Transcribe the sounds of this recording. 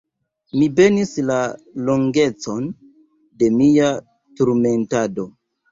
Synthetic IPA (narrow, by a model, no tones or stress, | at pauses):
mibe̞nislaloŋɡe̞t͡so̞n | de̞mia | tuɾme̞ntado̞